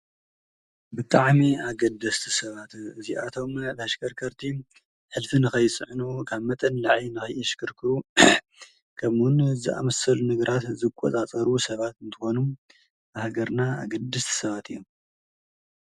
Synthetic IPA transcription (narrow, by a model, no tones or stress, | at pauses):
bɨt̪ʼaʕmiaɡɐd̪ɐst̪ʰi̥sɐβat̪ɨziʔat̪ʰo̞mbɐʃkʰɐɾkʰɐɾt̪ʰi | ħɨlfinɨxɐjt͡sʼɨʕnukʰaβmɐt̪ʼɐnlaʕinɨxɐjɐʃkʰɨɾkʰɨɾu | kʰɐmwʊnzɨʔa̰mɐsɐlunɨɡɾat̪zɨkʼːɔ̰t͡sʼat͡sʼɐɾusɐβat̪ɨnt̪ʰɨxo̞num | ahɡɐɾnaa̰ɡɐd̪ːɐst̪ʰi̥sɐβat̪ʰɨjːom